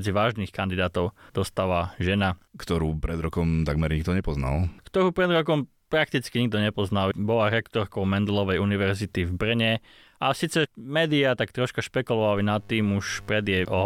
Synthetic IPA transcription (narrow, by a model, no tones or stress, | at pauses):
d͡ziʋaːʒnixkand̪id̪aːt̪ɔʊd̪̥ɔst̪aːʋaʒɛnakt̪ɔɾuːpɾɛd̪ɾɔkɔmt̪aɡmɛɾɲiɡ̚d̪ɔɲɛpɔzna̰lkt̪ɔɾuːpɾɛd̪ɾɔkɔm | pɾak̚t̪it͡skiɲiɡ̚d̪ɔɲɛpɔznalbɔlaɾɛkt̪ɔɾkɔʊmɛnd̪lɔʋɛjuniʋɛɾzit̪ivbr̩ɲɛ | asiːt͡sɛmɛːd̪iat̪akt̪ɾɔʃkaʃpɛkulɔʋalinat̪ːiːmuʃpɾɛd̪ɪjɛʔɔɦ